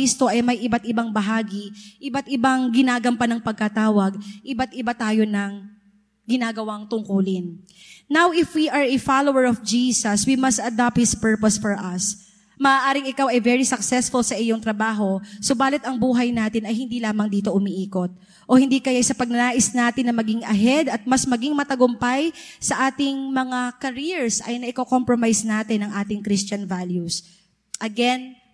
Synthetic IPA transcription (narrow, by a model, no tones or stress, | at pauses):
ist̪o̞ʔɐjmɐjʔɪbat̪̚ɪbaŋbɐɦaːɡɪʔɪbat̪ʔɪbaŋɡɪnaːɡɐmpɐnɐŋpɐɡ̚kɐt̪aːwɐɡ̚ʔɪbat̪̚ʔɪbat̪aːjo̞nɐŋ | ɡɪnaːɡɐwaŋt̪ʊŋkuːlɪnː | awɪfwiʔɐɹɛfalowɛɹɔfd͡ʒiːsɐswimɐst̪ɐd̪ap̚t̪̚hɪspɛɹposfɔɹʔɐs | mɐʔaːʔaːɾɪŋɪkawɐjvɛɹisɐksɛsfʊlsɐʔɪjoŋt̪ɾɐbaːɦo̞sobaːlɪt̪ɐŋbuːɦɐjnaːt̪ɪnɐjhɪnd̪iːlaːmɐŋd̪iːt̪o̞ʔʊmiʔiːkot̪̚ | ʔo̞hɪnd̪iːkɐjasɐpɐɡ̚nɐnaːʔɪsnaːt̪ɪnːɐmɐɡɪŋʔɐɦɛd̪ɐt̪̚mɐsmɐɡiŋmɐt̪ɐɡʊmpajsɐʔaːt̪ɪŋmɐŋakɐɾiɹsʔɐ̰jnɐʔɪkoko̞mpɹomajsnaːt̪ɪnːɐŋʔaːt̪ɪŋkɾistt͡ʃɐnvaljus | ʔɐɡɛn